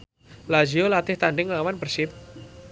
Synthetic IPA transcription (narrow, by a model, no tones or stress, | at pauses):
lad͡ʒiolat̪ɪht̪aɳɖɪŋlawanpərsɪp̚